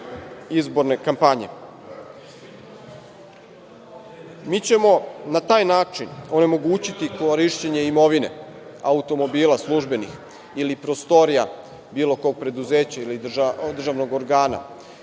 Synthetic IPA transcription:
izbo̞ɾne̞kampaɲe̞ | miːt͡ɕe̞mo̞nat̪aːjnaːt͡ʃino̞ne̞mo̞ɡuːt͡ɕit̪ikoɾiʃt͡ɕeɲe̞imo̞ʋine̞̰aut̪o̞mo̞biːlaslˠuʒbe̞nix | ilipɾo̞st̪o̞ɾija̰ | biːlˠo̞ko̞ːɡ̚pɾe̞d̪uze̞ːt͡ɕailid̪d̪r̩ʒaʋno̞ɡo̞ɾɡaːna̰

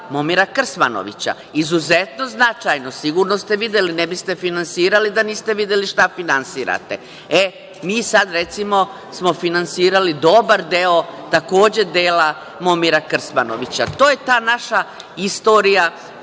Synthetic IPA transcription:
momiɾakr̩sma̰no̰ʋḭt͡ɕa̰ | izuzet̪no̞znat͡ʃajno̞siɡuɾno̞st̪e̞ʋid̪jelinebist̪e̞finansiːɾalid̪aniːst̪e̞ʋid̪jeliʃt̪afinansiːɾa̰t̪e̞ | e | miːsad̪ɾe̞t̪simo̞ | smo̞finansiːɾalid̪o̞baɾd̪e̞ot̪ako̞ːd͡ʑe̞d̪eːla | momiɾakr̩smano̰ʋit͡ɕat̪oːje̞t̪aːnaʃa | ist̪oːɾija

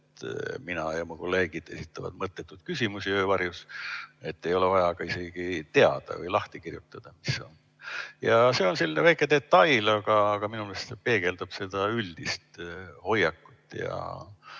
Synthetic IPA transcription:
et̪minɑjɑmuko̞lːe̞ːɡ̥id̪̥e̞̰sit̪ːˑɑvɑ̰d̪̥mɤt̪ˑːe̞t̪ːˑud̪̥kys̬ʲimusiəvɑrjuse̞t̪ːe̞jo̞levɑjɑɡ̥ɑise̞ɡ̥it̪e̞ɑd̪̥ɑ̰və̰jlɑht̪ikirjut̪ːˑɑd̪̥ɑmiso̞̰n | jɑse̞ːo̞nselinevæjkˑed̪e̞t̪ːɑjlɑɡ̥ɑːɡ̥ɑminumelest̪sepe̞ːɡe̞ld̪ɑb̥se̞d̪̥ɑylʲd̪̥ist̪ho̞jɑkːu̥t̪ːˑjɑ̰

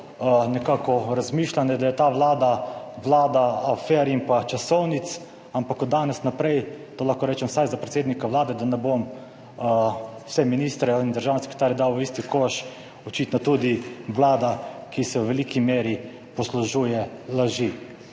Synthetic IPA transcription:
nɛkaːkɔɾazmiːʃlanɛd̪ajɛt̪aːʋlaːd̪aʋlaːd̪aafɛɾimpat͡ʃasɔwnit̪s | ampakɔd̪ːaːnɛsnapɾɛjt̪oːlaxkoɾɛːt͡ʃɛmsajzapɾet̪seːd̪nikaʋlaːd̪ɛd̪anɛbom | w̥sɛminist̪ɾɛind̪əɾʒaːwnese̥kɾe̥t̪aːɾjɛd̪awist̪ikoʃ | ɔt͡ʃit̪nɔt̪ud̪iʋlaːd̪akisɛwʋɛliːkimeːɾi | pɔsluʒuːjɛlaʒi

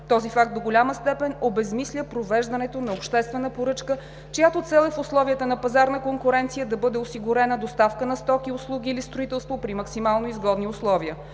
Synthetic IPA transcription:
t̪ɔzifak̚t̪d̪oɡolʲaməst̪ɛpɛnobɛzmislʲəpɾovɛʒd̪ɐnɛt̪onɐopʃt̪ɛst̪vɛnəpoɾɤt͡ʃkə | t͡ʃejat̪ot̪sɛlˠɛfʊslˠɔviət̪ənɐpɐzaɾnəkoŋkʊɾɛnt̪sijəd̪ɐbɤd̪ɛʊsiɡʊɾɛnəd̪ost̪afkənɐst̪ɔk̟iʊslˠuɡʲiːlist̪ɾʊit̪ɛlˠst̪vopɾimɐksimalˠnoizɡɔd̪niʊslˠɔviə

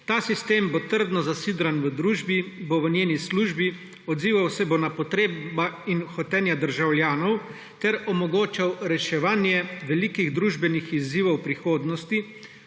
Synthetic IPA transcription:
t̪aːsist̪eːmbot̪əɾd̪nɔzasiːd̪ɾanʋəd̪ɾuːʒbiboʋənjeːnisluːʒbi | ɔd̪ziːʋawsɛbonapɔt̪ɾeːbainxɔt̪ɛːnjad̪əɾʒawljaːnɔw | t̪ɛɾɔmɔɡoːt͡ʃawɾɛʃɛʋaːnjɛʋɛlikiɣd̪ɾuːʒbɛnixiziːʋɔwpɾixoːd̪nɔst̪i

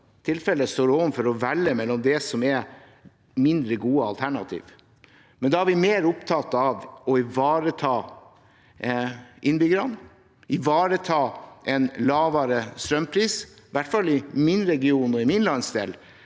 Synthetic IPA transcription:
t̪ʰɪlfɛlːəst̪oːɾomfɔɾɔʋælːəmɛlːɔmd̪ɛsɔmɛ | mɪnd̪ɾəɡuːəɑ̰lt̪ʰæɳɑt̪ʰḭːʋ | mɛnd̪ɑæɾʋɪmeːɾʊpt̪ʰɑt̪ɑʋɔɪʋɑːɾət̪ʰɑː | ʔɪnbʏɡəɾɑn | ɪʋɑːɾət̪ʰɑːʔɛnlɑːʋɑɾəst̪ɾœmpʰɾiːs | ʋæʈfɑlːɪmɪnɾɛɡɪuːnɔɪmɪnlɑnsd̪ḛːl

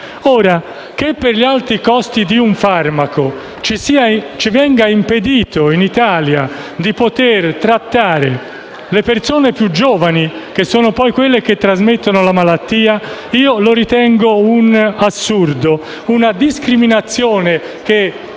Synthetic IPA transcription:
ɔːɾa | k̟epːerʎialt̪ɾikɔst̪id̪iuɱfarmako | t͡ʃisiat͡ʃivɛŋɡaimped̪iːt̪oinit̪aːlja | d̪ipot̪ert̪ɾat̪ːaːɾḛ | lepersoːnepjud͡ʒɔːvanikesːɔːnopɔjkwelːek̟et̪ːɾazmet̪ːonolamalat̪ːiːaiːoloɾit̪ɛŋɡounasːurd̪o | unad̪iskɾiminat̪sːjoːne | k̟e

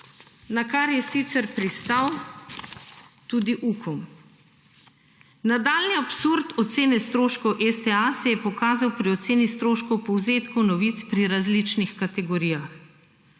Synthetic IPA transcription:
nakaɾjɛsit̪sɛɾpɾist̪aw | t̪uːd̪iʔukʰɔm | nad̪aːlniapsuɾt̪ɔt̪seːnɛst̪ɾoːʃkɔwʔɛst̪ɛasɛjɛpɔkaːzawpɾiɔt̪seːnist̪ɾoːʃkɔwpɔwzeːt̪kɔwnɔʋit̪spɾiɾazlit͡ʃnixkat̪ɛɡɔɾijax

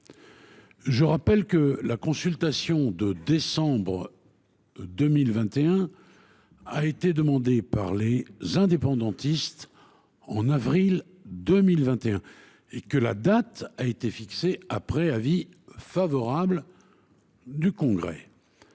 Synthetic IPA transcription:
ʒəʁapɛlkəlakɔ̃sylt̪asjɔ̃d̪əd̪esɑ̃bʁə | d̪əmilvɛ̃t̪eɛ̃ | aet̪ed̪əmɑ̃d̪epa̰ʁlezɛ̃d̪epɑ̃d̪ɑ̃t̪ist̪ | ɑ̃navʁil | d̪əmilvɛ̃t̪eɛ̃ | ekəla̰d̪at̪aet̪efikseapχɛlavi | favɔʁabl | d̪ykɔ̃ɡʁɛ̰

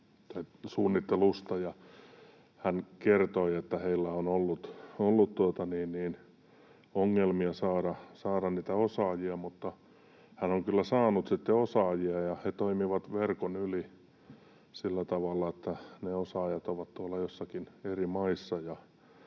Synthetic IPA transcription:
t̪ɑisuːnːit̪ːelust̪ɑjɑ | hænkert̪oiet̪ːæheilːæonolːut̪olːut̪t̪uot̪ɑniːnniːn | oŋːelmiɑsɑːɾɑsɑːɾɑnniːt̪æosɑːjiɑmut̪ːɑ | hænoŋkylːæsɑːnut̪sit̪ːeosɑːjiɑjɑhet̪oimiʋɑt̪ʋerkonyli | silːæt̪ɑʋɑlːɑet̪ːæneosɑːjɑt̪oʋɑt̪t̪uolːɑjosːɑkinerimɑisːɑjɑ

